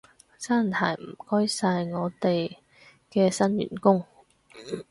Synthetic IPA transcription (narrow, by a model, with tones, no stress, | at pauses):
saː˥nt̪ʰaː˨˩jm̩˨˩kɔː˥jsaː˧jŋɔː˨˧t̪e˨j | kɛː˧sɐ˥njy̰ː˨˩nkʊ˥ŋ